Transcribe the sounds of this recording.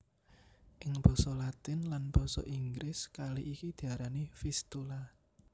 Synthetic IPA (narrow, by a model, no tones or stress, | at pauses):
ʔɪŋb̥ɔ̤sɔlat̪ɪnlanb̥ɔ̤sɔ̰ʔiŋɡɾɪskaliʔikid̪̥i̤aɾanifist̪ula